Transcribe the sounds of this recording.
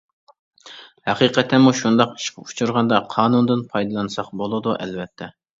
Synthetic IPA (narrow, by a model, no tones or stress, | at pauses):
hɛqiːqʰɛt̪ʰːɛmuʃund̪ɑqi̥ʃkʲut͡ʃʰuɾʁɑnd̪ɑqʰɑːnund̪ɨnpʰɑjd̪ɨlˠɑnɨsɑqbolˠɨd̪uʔɛ̰lvɛt̪ʰːɛ